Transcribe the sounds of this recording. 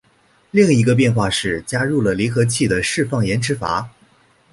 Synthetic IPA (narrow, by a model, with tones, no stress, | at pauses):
li˥˩ŋi˧˥ɡə˧p̬jɛ˥˧nxwa˥˧ʂɻ̩˥˩t͡ɕja˥ɻu˥˩lə˩li˧˥xɤ˧˥t͡ɕʰi˥˩d̪ə˩ʂɻ̩˥˧fɑ˥˩ŋjɛ˧˥nʈ͡ʂʰɻ̩˧˥fa̰˧˥